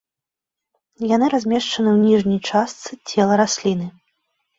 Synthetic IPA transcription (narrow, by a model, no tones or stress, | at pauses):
janɨɾazʲmʲɛʂt͡ʂɐnɨwnʲiʐnʲijt͡ʂast̪sɨt͡sʲɛlˠɐɾasʲlʲin̪ɨ